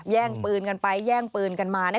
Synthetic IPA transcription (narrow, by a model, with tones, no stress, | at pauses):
jɛː˥˩ŋpɯː˧nka˧npa˧jːɛː˥˩ŋpɯː˧nka˧nmaː˧nɛ˦˥˩